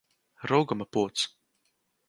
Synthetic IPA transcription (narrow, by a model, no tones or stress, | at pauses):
ɾuɡamapuɔt̪s